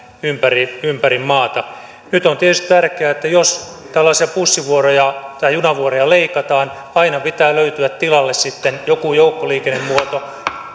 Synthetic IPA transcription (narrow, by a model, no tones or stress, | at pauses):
ympæriympærimmɑːt̪ɑ | nyt̪ont̪iet̪yst̪it̪ærkeæːet̪ːæjos | t̪ælːɑːsiɑpusːiʋuorojɑt̪ɑjjunɑʋuorojɑleikɑt̪ɑːn | ɑinɑpit̪æːløyt̪yæt̪t̪ilɑlːessit̪ːenjokujoukːoliːkenːemmuot̪o